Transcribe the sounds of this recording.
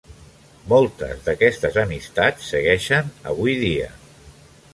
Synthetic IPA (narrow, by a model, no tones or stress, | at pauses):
mɔlˠt̪ə̰zðəkɛst̪əzəmist̪at͡sːəɣɛʃənə̰β̞ujðiə̰